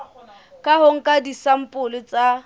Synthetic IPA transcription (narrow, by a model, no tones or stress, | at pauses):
kʼaɦoŋ̩kʼadisam̩pʼʊlɪt͡sʼa